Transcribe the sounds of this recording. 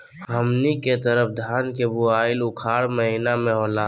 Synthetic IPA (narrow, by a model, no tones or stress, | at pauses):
ɦəmniket̪əɾəpʰd̪ʱaːnkebuaːɪlʊkʰaːɽməɦinamẽɦoːlaː